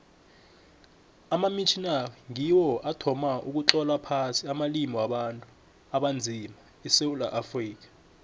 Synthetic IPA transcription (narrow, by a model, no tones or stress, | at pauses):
amamit͡ʃʰinariŋiwɔʔatʰɔmaʔuk̬ut͡ɬɔlapʰasiamalimiwaɓantʼu | aɓand͡zʱima | isewula̰ʔafriːk̬ḁ